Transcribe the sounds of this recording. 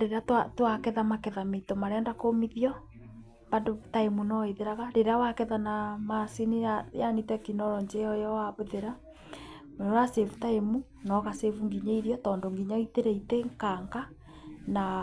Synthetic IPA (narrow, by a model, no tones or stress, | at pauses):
ɾeɾeatatwakɛðamakɛðameitɔmaɾeandakomiðiɔ | mbandotaemunɔeðeɾaɣaɾeɾeawakɛðanamasiniajanitɛkinɔɾɔɲd͡ʒɛɔjɔwaβeðeɾa | moɾasevutaemu | nɔɣasevuŋɡiɲeiɾjɔtɔndoŋɡiɲɔiteɾɛiteŋkaŋɡa | na